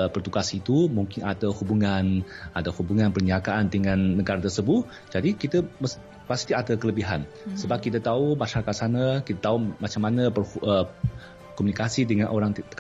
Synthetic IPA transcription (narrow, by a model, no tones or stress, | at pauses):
pərt̪ukasit̪umuŋkɪnadəhubuŋanadawhubuŋanpərɲiakaʔandəŋanːəɡaɾat̪ərsəbʊt̪̚ | d͡ʒadikit̪əməs | past̪iadəkələbiɦa̰n | səbap̚kit̪at̪aumaʃaɾakat̪̚sanəkit̪at̪aumat͡ʃamanəpərhə | kɔmunikasidəŋanʔoɾaŋt̪ə̥